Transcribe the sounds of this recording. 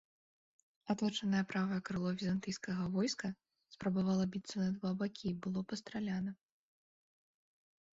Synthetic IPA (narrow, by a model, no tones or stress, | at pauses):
at̪ˠɔt͡ʂɐnɐjɛpɾavɐjɐkɾɨlˠɔvʲizant̪ɨjskɐɣɐvɔjskɐ | spɾɐbavalˠɐbʲit̪sɐnɐd̪vabakʲʰibɨlˠɔpɐst̪ɾalʲanɐ